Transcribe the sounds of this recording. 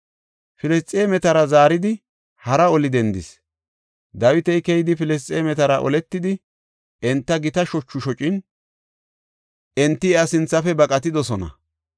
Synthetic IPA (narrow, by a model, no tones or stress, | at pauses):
fɪlɛst͡sʼːeːmɛt̪ɐɾɐzaːɾɪd̪ɪ | hɐɾɐɔlɪd̪ɛnd̪ɪs | d̪ɐwɪt̪ɛjkɛjɪd̪ɪfɪlɛs̬t͡sʼːeːmɛt̪ɐɾɐʔɔ̰lɛt̪ːɪd̪ɪ | ʔɛnt̪ːɐɡɪt̪ɐʃɔt͡ʃːʊʃɔt͡ʃʼɪn | ɛnt̪ːɪɛɐsɪnt͡sːɐfɛbɐkʼɐt̪ɪd̪ɔsɔnɐ̰